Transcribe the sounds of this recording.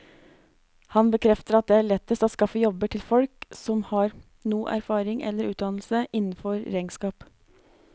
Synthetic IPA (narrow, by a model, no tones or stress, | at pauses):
hɑnbəkʰɾɛft̪əɾɑt̪̚d̪ɛːæːɭɛt̪ːəst̪oːskɑfəjɔbəʈʰɪlfɔlksɔmhɑːɾ | nuːʔæ̰ɾfɑːɾɪŋʔɛ̰lːəɾʉːt̪̚d̪ɑnl̩səʔɪnːn̩fɔɾɾæɪŋskɑːp